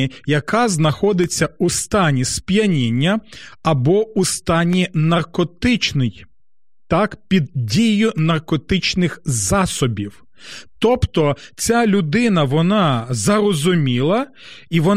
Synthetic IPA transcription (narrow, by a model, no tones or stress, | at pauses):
jɐkɑznɐxɔd̪ɪt͡sʲːɐust̪ɑnʲispʲjɐnʲinʲːɐɐbɔust̪ɑnʲinɐrkɔt̪ɪt͡ʃnɪj | t̪ɑkpʲid̪̚dʲijʊnɐrkɔt̪ɪt͡ʃnɪxzɑsɔbʲiw | t̪ɔpt̪ɔt͡sʲalʲʊd̪ɪnɐʋɔnɑzɐɾɔzʊmʲilˠɐ | iʋɔ